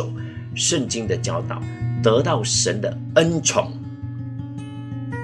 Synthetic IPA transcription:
o˨˩ʊ | ʂə˥˨nt͡ɕi˦ŋd̪ə˨t͡ɕjɑ˥ʊt̪ɑ̰˨˩˦ʊt̪ɤ˧˦t̪ɑ˥˨ʊʂə˧˦nd̪ə˨ | ə˦˥nt͡sʰʊ̰˨˥˦ŋ

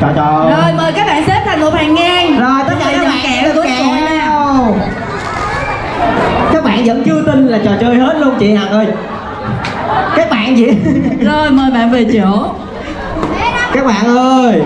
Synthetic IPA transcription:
t͡ɕɔ˨˩t͡ɕɔ˨˩zo˨˩jməː˨˩jkaː˦˥k̚ɓa̰ː˧˨nse˦˥p̚t̪ʰa˨˩ŋmo˨˩t̚haː˨˩ŋːaː˧˩nzo˨˩jt̪ə˦˥laː˨˩˧aː˦˥ɓa̰ː˧˨kɛ˧˨˧aː˨˩t̪u˧˨˦naː˨˩ww | kaː˦˥k̚ɓa̰ː˧˨nzə̰˧˥nt͡ɕɨ˧əwt̪ï˧nlaː˨˩t͡ɕɔ˨˩t͡ɕəː˧jhe˦˥t̚lu˧əŋ͡mt͡ɕḭ˧˨ha˨˩t̚oː˧j | kaː˦˥k̚ɓa̰ː˧˨nt͡ɕḭ˧˨zo˨˩jməː˨˩jɓa̰ː˧˨nve˨˩t͡ɕə˧˨ | kaː˦˥k̚ɓa̰ː˧˨nʔəː˧j

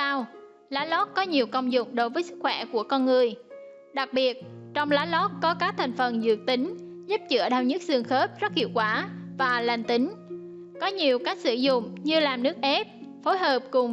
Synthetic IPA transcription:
aː˧w | laː˨˦lɔ˦˥t̚kɔ˨˦ɲi˨˩əwkə˧wŋ͡mzʊ̰˧˨ŋ͡mɗo˨˦jvəː˨˦jsɨ˦˥k̚xwɛ˧˩ku˧˩əkɔ˧nŋɨ˨˩əj | ɗa˨˩k̚ɓi˨˩ət̚t͡ɕɔ˧wŋ͡mlaː˨˦lɔ˦˥t̚kɔ˨˦kaː˦˥k̚t̪ʰa˨˩jŋ̟fə˨˩nzɨ̰˧˨˩ək̚t̪i˨˦ŋ̟ | zə˦˥p̚t͡ɕɨ̰˧˥əɗaː˧˩wɲɨ˦˥t̚zɨ˨˧˩əŋxə˦˥t̚zə˦˥t̚hi˧˩əwkwaː˧˩vaː˨˩la˨˩nt̪ï˨˦ŋ̟ | kɔ˨˦ɲi˨˩əwkaː˦˥k̚sɨ˧˩zʊ̰˧˨ŋ͡mɲɨ˧laː˨˩mnɨ˦˥ək̚ʔɛ˦˥p̚fo˨˦jɦəː˨˩p̚kʊ˨˩ŋ͡m

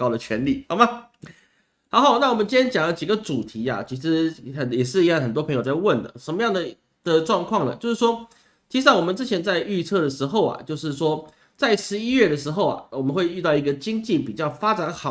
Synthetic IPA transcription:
kɑ˥ʊd̪ə˨t͡ɕʰɥɛ˧˥nli˨˩xɑ˧˥ma˧˦ | xɑ˧˥ʊxo˥˩ʊna˥˩wɔ˨˩mə˦nt͡ɕi˥jɛ˥nt͡ɕjɑ˨˩ŋlə˦t͡ɕi˨˩ɡə˦ʈ͡ʂu˨˩t̪ʰi˧˥a̰˨t͡ɕʰi˧˥ʂɻ̩˧˥ə˨˩jɛ˨˩ʂɻ̩˥˧˥ŋxə˨˩nt̪wɔ˥pʰə˧˥ŋjo˨˩ʊt͡sa˥˧ɪwə˥˩nd̪ə̰˩ʂə˧˥nmə˧jɑ˥˩ŋd̪ə˩ | d̪̥ə˨ʈ͡ʂwɑ˥˧ŋkʰwɑ˥˩ŋlə̰˩t͡ɕjo˥˧ʊʂɻ̩˥˩ʂwɔ˥ | t͡ɕʰi˧˥ʂ̩˥˩wɔ˨˩mə˦nt͡sɻ̩˥t͡ɕʰjɛ˧˥nt͡sa˥˧ɪy˥˧t͡sʰɤ˥˩d̪ə˩ʂɻ̩˧˥xo˥˨ʊa̰˩t͡ɕjo˥˧ʊʂɻ̩˥˩ʂwɔ˥ | t͡sa˥˩ɪʂɻ̩˧˥i˥ɥɛ˥˩d̪ə˩ʂɻ̩˧˥xo˥˩ʊa̰˨˩wɔ˨˩mə˦nxwe˥˧ɪy˥˧t̪ɑ˥˩ʊi˧˥ɡə˧t͡ɕi˥ŋt͡ɕi˥˨˩pi˨˩t͡ɕjɑ˥˩ʊfa˥ʈ͡ʂa˨˩˥nxɑ˨˩˦

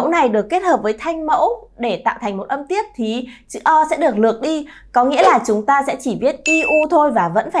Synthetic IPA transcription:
ə̰˧˥wna˨˩jɗɨ˨˩əkːe˦˥t̚həː˨˩p̚vəː˨˦jt̪ʰa˧jŋ̟mə̰˧˥wɗe˧˩t̪a̰ː˧˨wt̪ʰa˨˩ŋ̟mo˨˩t̚ʔə˧mt̪i˦˥əp̚t̪ʰi˨˦t͡ɕɨ̰˧˥ʔɔ˧sɛ̰˧˥ɗɨ˨˩ək̚lɨ˨˩ək̚ɗi˧ | kɔ˨˦ŋḭ˧˥əlaː˨˩t͡ɕʊ˨˦ŋ͡mt̪aː˧sɛ̰˧˥t͡ɕi˧˩vi˦˥ət̚ʔi˧ʔu˧t̪ʰo˧jvaː˨˩və̰˧˥nfaː˧˩

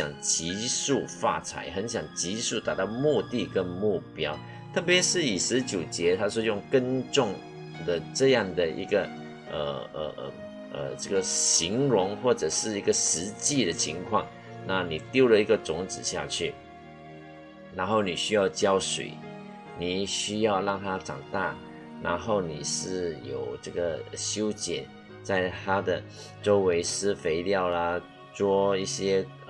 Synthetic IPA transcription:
jɑ̰˨˩ŋt͡ɕi˧˥su˥˩fa̰˥˧t͡sʰa̰˨˦ɪxə˧˦nɕjɑ˨˩ŋt͡ɕi˧˥su˥˩t̪a˨˩t̪ɑ˥˧ʊmu˥˧t̪i˥˨kə˦˥nmu˥˩pjɑ˥ʊ | t̪ʰɤ˥˩pjɛ˧˦ʂɻ̩˥˩i˨˩ʂɻ̩˧˦t͡ɕjo˨˩ʊt͡ɕjɛ˨˧˥t̪ʰa˥s̬wɔ˥˧jʊ˥˧ŋkə˥nʈ͡ʂʊ˥˩ŋ | d̪ə˨˩ʈ͡ʂɤ˥˧jɑ˥˩ŋd̪ə˨ʔḭ˧˥ɡə˨ | ʔə̰˨˩ə̰˨˩ʔə̰˩ | ʔə̰˩ʈ͡ʂə˥˩ɡə˨ɕi˧˥ŋɻʊ˧˥ŋxwɔ˥˩ʈ͡ʂə˨˩ʂɻ̩˥˩i˧˥ɡə˨ʂɻ̩˧˥t͡ɕi˥˩d̪ə˩t͡ɕʰi˧˥ŋkʰwɑ̰˥˩ŋ | na˥˩ni˨˩t̪jo˥˧ʊlə˨i˧˥ɡə˨t͡sʊ˧˥ŋt͡sɹ̩˨˩ɕja̰˥˧t͡ɕʰy˥˩ | na˧˥nxo˥˩ʊni˨˩ɕy˥jɑ˥˩ʊt͡ɕjɑ˥ʊʂwḛ˨˩˦ɪ | ni˨˩ɕy˥jɑ˥˧ʊlɑ˥˩ŋt̪ʰa˥ʈ͡ʂɑ̰˨˩ŋt̪a˥˩ | na̰˧˥nxo˥˩ʊni˨˩ʂɻ̩˥˩jo˨˩ʊʈ͡ʂɤ˥˩ɡə˩ɕjo˥ʊt͡ɕjɛ˨˩˦n | t͡sa˥˩ɪt̪ʰa˥d̪ə˨ | ʈ͡ʂo˥ʊwe˧˥ɪʂɹ̩˥fe˧˥ɪljɑ˥˩ʊlə˨ | t͡swɔ˥i˥˩ɕjɛ˥

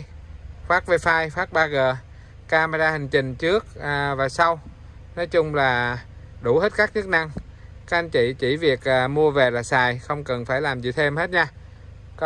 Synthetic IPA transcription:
xwaː˦˥k̚ve˧faː˧jxwaː˦˥k̚ɓaː˧ɣəː˨˩ | kaː˧maː˧ɗaː˧hï˨˩ŋ̟t͡ɕï˨˩ŋ̟t͡ɕɨ˦˥ək̚ːvaː˨˩sa˧w | nɔ˨˦jt͡ɕʊ˧ŋ͡mlaː˨˩ | ɗu˧˩he˦˥t̚kaː˦˥k̚t͡ɕɨ˦˥k̚na˧ŋ | kaː˦˥k̚ʔa˧nt͡ɕḭ˧˨t͡ɕi˧˩vi˨˩ək̚ʔːmu˧əve˨˩laː˨˩saː˨˩jxə˧wŋ͡mkə˨˩nfaː˧˩jlaː˨˩mzḭ˨˩t̪ʰe˧mhe˦˥t̚ɲaː˧ | k

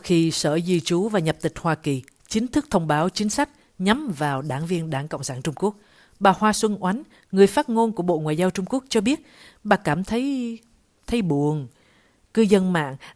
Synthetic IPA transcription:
xi˧səː˧˩zi˧˩t͡ɕu˨˦vaː˨˩ɲə˨˩p̚t̪ï˨˩k̟̚hwaː˧ki˨˩ | t͡ɕï˨˦ŋ̟t̪ʰɨ˦˥k̚t̪ʰə˧wŋ͡mɓaː˨˦wt͡ɕï˨˦ŋ̟sa˦˥jk̟̚ | ɲa˨˦mvaː˨˩wɗaː˧˩ŋvi˧ənɗaː˧˩ŋkə̰˧˨wŋ͡msaː˧˩nt͡ɕʊ˧ŋ͡mku˦˥ək̚ | ɓaː˨˩hwaː˧swə˧nʔwa˨˦jn | ŋɨ˨˩əjfaː˦˥t̚ŋo˧nku˧˩əɓo̰˧˨ŋwa̰ː˨jzaː˧wt͡ɕʊ˧ŋ͡mku˦˥ək̚t͡ɕɔ˧ɓi˦˥ət̚ | ɓaː˨˩kaː˧˩mt̪ʰə˨˦j | t̪ʰə˨˦jɓu˧˩əŋ | kɨ˧zə˧nma̰ː˧˨ŋ

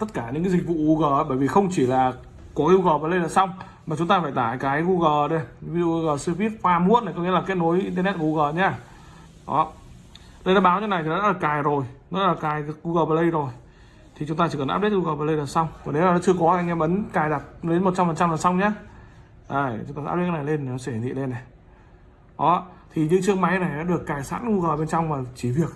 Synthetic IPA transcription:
t̪ə˦˥t̚kaː˧˩ɲɨ̰˧˥kaː˨˦zi˨˩k̟̚vṵ˧˨ɣu˧ɣəː˨˩˨ɓəː˧˩jvi˨˩xə˧wŋ͡mt͡ɕi˧˩laː˨˩ | kɔ˨˦ʔi˧əwɣəː˨˩vaː˨˩lə˧jlaː˨˩sa˧wŋ͡m | maː˨˩t͡ɕʊ˨˦ŋ͡mt̪aː˧faː˧˩jt̪aː˧˩jkaː˨˦jɣu˧ɣəː˨˩ɗə˧˩˧vi˧zṵ˧˨ʔɣəː˨˩sɨ˧vi˦˥ət̚faː˧mu˧˦ənːa˨˩jkɔ˨˦ŋi˧˥˦la˨˩ke˦˥t̚no˨˦jʔi˧nt̪ə˧nɛ˦˥t̚ɣu˧ɣəː˨˩ɲaː˧˩ | ʔɔ̰˨˦ | lə˧jɗaː˨˧˥ɓaː˨˦wɲ˧na˨˩j̪ʰɔ˦a̰ː˦˥la˨˩kaː˨˩jzo˨˩jnɔ˨˦aː˦˥la˨˩kaː˨˩jɣu˧ɣəː˨˩vaː˨˩lə˧jzo˨˩j | t̪ʰi˨˩t͡ɕʊ˨˦ŋ͡mt̪aː˧t͡ɕi˧˩kə˨˩nʔaː˦˥ɗe˦˥t̚ɣu˧ɣəː˨˩aː˨˩lə˧jla˨˩sa˧wŋ͡mkɔ˨˩ne˨˦laː˨˩nɔ̰˨˧˦t͡ɕɨ˧əkɔ˨˦laː˧jŋɛ˧mɓə˨˦nkaː˨˩jɗa˨˩t̚le˨˦nmo˨˩t̚t͡ɕa˧mfə˨˩nt͡ɕa˧mvaː˨˩nsa˧wŋ͡mɲaː˨˦ | ʔaː˨˩jt͡ɕʊ˨˦ŋ͡mt̪aː˧a̰ː˦˥ɗe˦˥na˨˩le˧na˨˩nɔ˨˦sɛ˧hi˨˩t̪ḭ˧˨le˧nːa˨˩j | ʔɔ˨˦t̪ʰi˨˩ɲɨ̰˧˥ŋt͡ɕɨ˧əŋma˨˦jna˨˩jna̰ː˧˥ɗɨ˨˩əkːaː˨˩jsa̰ː˧˥nɣu˧ɣəː˨˩ɓe˧nt͡ɕɔ˧wŋ͡mmaː˨˩t͡ɕi˧˩vi˨˩ək̚

